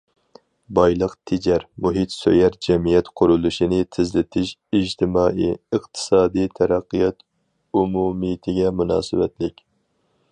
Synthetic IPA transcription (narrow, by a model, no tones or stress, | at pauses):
bɑjlˠəqt̪ʰed͡ʒɛɾmuɦit̪sø̰jæɾd͡ʒɛmijɛt̪qʰʊɾulˠuʃinɪt̪ʰɪzlɪt̪ʰɪʃid͡ʒt̪ʰɪmɑːʔijɨqt̪ʰɨ̥sɑːd̪ijt̪ʰæɾæqːɨjɑt̪ | umumɨjt̪ʰɪɡʲɛmunɑ̰ːsɨwɛt̪lɪkʲ